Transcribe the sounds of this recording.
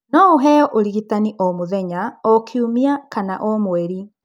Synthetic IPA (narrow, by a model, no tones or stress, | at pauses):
nɔoɦɛɔʔoɾiɣitaniʔɔmoðɛɲaɔkʰiumiakanaʔɔmwɛɾi